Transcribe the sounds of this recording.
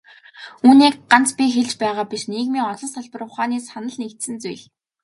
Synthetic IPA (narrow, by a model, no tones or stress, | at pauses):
uːniːk̚ɢant͡spʲixeɮt͡ɕpæːʁaːpiʃniːɣmiːŋɔɮɞ̆nsʰaɮpə̆rʊ̆χaːniːsanə̆ɮnekt̪sɘ̆nt͡sṵjɮ